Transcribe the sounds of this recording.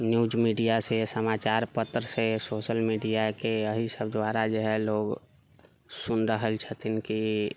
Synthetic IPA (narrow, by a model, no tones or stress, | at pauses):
njuːd͡ʒmiɖijasesəmaːt͡ʃaːɾpət̪ɾəsesoːʃəlmiɖijakeəɦisəbd̪ʋaːɾad͡ʒoɦɛ̃loːɡ | sʊnɾəɦəlt͡ʃʰət̪ʰinki